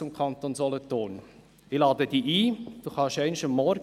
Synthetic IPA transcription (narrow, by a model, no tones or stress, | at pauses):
ʊmkʰχɑnt̪oːnzɔlətoːn | ilɑːd̪əd̥iːʔiːd̥uχɑʃæɪnʃɑmːɔɾ